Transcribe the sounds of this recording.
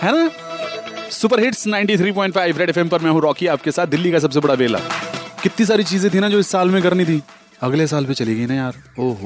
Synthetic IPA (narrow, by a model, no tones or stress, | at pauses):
ɦɛːna | sʊp̬əɾɦɪʈsnãɪ̃ɳʈit̪ʰɾiːpɔ̃ːɪ̃ɳʈfaːɪʋɾɛɖɛfɛmpɐɾmɛ̃ːɦũɾɔːkiaːp̚kesaːt̪̚d̪ɪlːikas̬ɐbs̬ebɐɽaʋeːla̰ːkɪt̪nis̬aːɾit͡ʃiːzẽt̪ʰinad͡ʒoːɪsːaːlmẽɡɐɾnit̪ʰiː | ɐɡles̬aːlpet͡ʃɐliɡɐinajaːɾoː